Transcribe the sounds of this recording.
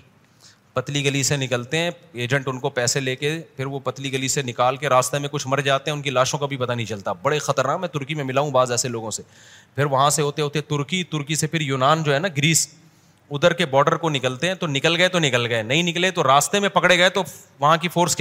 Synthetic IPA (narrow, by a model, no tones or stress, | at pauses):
pɐt̪liɡɐlisenɪkəlt̪eɦɛ̃ːeːd͡ʒə̃ɳʈʊnkopɛːseleːkepʰɪɾʋopɐt̪liɡɐlisenɪkaːlkeɾaːst̪emẽkʊt͡ʃʰmɐɾd͡ʒaːt̪eɦɛ̃ʊnkilaːʃõkabʱipɐt̪anɐɦĩt͡ʃɐlt̪abɐɽexɐt̪əɾnaːkmɛ̃ːt̪ʊɾkimẽmɪlaːɦũbaːzɛːseloːɡõse | pʰɪɾʋɐɦãseɦoːt̪eɦoːt̪eɦɛ̃t̪ʊɾkit̪ʊɾkisepʰɪɾjuːnaːnd͡ʒoːɦɛːnaɡɾiːs | ʊd̪əɾkebɔːɾɖəɾkonɪkəlt̪eɦɛ̃t̪onɪkəlɡɐet̪onɪkəlɡɐenɐɦĩnɪklet̪oɾaːst̪emẽpɐkɽeɡɐet̪o | ʋɐɦãkifʰoːɾsk